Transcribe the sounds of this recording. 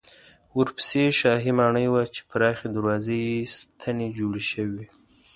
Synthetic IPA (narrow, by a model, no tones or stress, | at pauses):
wəɾpə̥seʃɑɦimɑɳəjwat͡ʃe̥pɾɑxed̪aɾwɑzəjest̪ʰaned͡ʒoɽeʃəwi